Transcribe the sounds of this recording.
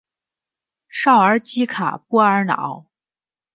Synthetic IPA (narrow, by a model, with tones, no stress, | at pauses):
ʂɑ˥˩ʊə˞˧˥t͡ɕi˥kʰa̰˨˩pu˥˩ə˞˧˥nɑ̰˨˩˦ʊ